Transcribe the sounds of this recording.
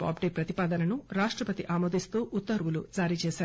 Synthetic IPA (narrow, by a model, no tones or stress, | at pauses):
a̰ːpɖepɾɐt̪ipaːd̪ɐnɐnuɾaːʂʈɾɐpɐt̪iʔaːmoːd̪ist̪uːʔut̪ːɐɾʋulud͡ʒaːɾiːt͡ʃɛːsaː